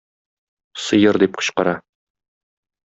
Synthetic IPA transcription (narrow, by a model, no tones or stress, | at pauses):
sɤ̆jɤɾd̪ip̚qŏ̥ɕqɑɾɑ